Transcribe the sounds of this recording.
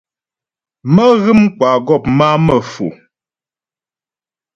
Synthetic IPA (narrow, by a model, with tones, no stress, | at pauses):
mə˦ɣɨ˦m˦kwa˨ɡɔ˦˨pma˦mə˨fṵ˨